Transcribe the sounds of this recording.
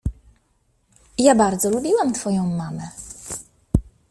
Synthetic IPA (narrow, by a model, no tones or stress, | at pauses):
jabaɾd̪zɔlubʲiwamt̪fɔjɔ̃w̃mamɛ